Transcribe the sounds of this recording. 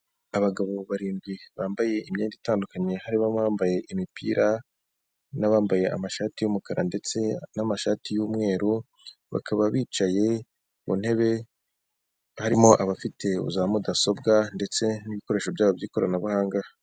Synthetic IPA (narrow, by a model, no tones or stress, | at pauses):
aβaɡaβo̞βaɾiːŋɡwiβaːmbaje̞ʔimɲe̞ːnditaːndukaɲe̞haɾiβaaːmbaje̞ʔimipʰḭːɾa | naβaːmbaje̞ʔa̰maʃaːtijumukaɾa̰nde̞t͡se̞namaʃaːtijuːmŋe̞ːɾu | βa̰kʰaβaβiːt͡ʃaje̞ | βṵn̥he̞βe̞ | haɾimo̞ʔaβafitʰe̞ṵzamudaso̞bɡande̞t͡se̞niβiko̞ɾe̞ːʃo̞bjaːβobjiːko̞ɾa̰naβuhaːŋɡa